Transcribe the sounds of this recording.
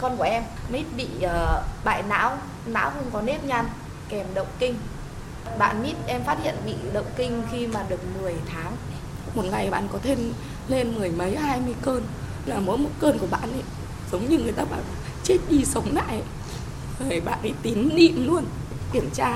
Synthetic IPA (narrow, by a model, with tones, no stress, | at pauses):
kɔ˧nku˧˩əʔɛ˧mmi˦˥t̚ɓḭ˧˨ʔəː˨˩ɓa̰ː˧˨jna̰ː˧˥w | na̰ː˧˥wxə˧ŋ͡mkɔ˨˦ne˦˥p̚ɲa˧n | kɛ˨˩mɗə̰˧˨wŋ͡mkï˧ŋ̟ | ɓa̰ː˧˨nɓi˦˥t̚ʔɛ˧mfaː˦˥t̚hḭ˧˨ənɓḭ˧˨ɗə̰˧˨wŋ͡mkï˧ŋ̟xi˧maː˨˩ɗɨ˨˩ək̚mɨ˨˩əjt̪ʰaː˨˦ŋ | mo˨˩t̚ŋa˨˩jɓa̰ː˧˨nkɔ˨˦t̪ʰe˧n | le˧nmɨ˨˩əjmə˨˦jhaː˧jmɨ˧əjkəː˧n | laː˨˩mo̰˨˦jmo˨˧˩t̚kəː˧nkəɓa̰ː˧˨nʔə̰˧˨ | zə˨˦wŋ͡mɲɨ˧ŋɨ˨˩əjt̪aː˧ɓa̰ː˧˩w | t͡ɕe˦˥t̚ɗi˧sə˨˦wŋ͡mna̰ː˧˨jʔə̰˧˨ | və˨˩ɓa̰ː˧˨nʔə̰˧˨˦jt̪i˨˦nnḭ˧˨mlu˧ən | ki˧˩əmt͡ɕaː˧